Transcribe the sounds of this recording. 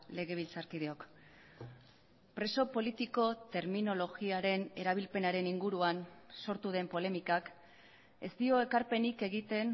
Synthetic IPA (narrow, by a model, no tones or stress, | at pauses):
le̞ɣe̞β̞ilt͡saɾkiðe̞o̞k | pɾe̞so̞po̞lit̪iko̞t̪e̞ɾmino̞lo̞ɣiaɾe̞ne̞ɾaβ̞ilpe̞naɾe̞niŋɡuɾuanso̞ɾt̪uð̞e̞mpo̞le̞mikak | e̞st̪io̞e̞kaɾpe̞nike̞ɣit̪e̞n